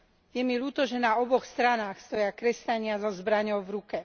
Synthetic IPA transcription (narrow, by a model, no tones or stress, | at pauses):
jɛmiluːt̪ɔʒɛnaɔbɔxst̪ɾanaːxst̪ɔjakɾɛsc̪aɲɪazɔzbɾaɲɔʊvɾukɛ